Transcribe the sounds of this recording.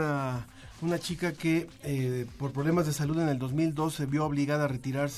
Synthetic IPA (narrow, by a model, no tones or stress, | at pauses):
a | unat͡ʃikake̞ | po̞ɾpɾoβlemazðe̞saluðe̞ne̞ld̪o̞zmild̪o̞sːe̞βjo̞oβliɣaðaːre̞t̪iɾaɾs